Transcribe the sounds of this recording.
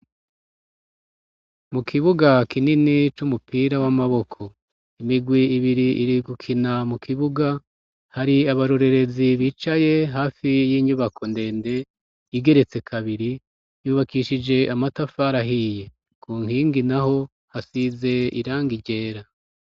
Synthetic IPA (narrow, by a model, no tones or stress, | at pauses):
mukʰiβuɡakininit͡ʃumupʰiːɾawamaβo̞kʰo̞ | imiɡwiiβiɾiiɾiɡukʰinamukʰiβuɡa | haɾiaβaɾoɾe̞ɾe̞ziβiːt͡ʃaje̞ɦaːfijiːɲuβakʰo̞nde̞ːnde̞ | jiɡe̞ɾe̞t͡se̞kʰaβiɾi | juːβakiʃid͡ʒe̞ʔamatafaɾaɦije | kʰuːŋhiːŋɡinaɦo̞ | hasize̞ḭɾaːŋɡiɟe̞ːɾa